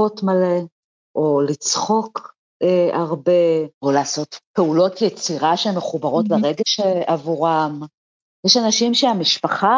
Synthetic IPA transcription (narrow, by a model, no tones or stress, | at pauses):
otmale | ʔolit͡sχo̞k | eaʁbeolaːso̞tpe̞ulo̞tjet͡siʁaʃemeχubaʁo̞tleʁeɡeʃeavuʁam | jeʃanaʃimʃeamiʃpaχa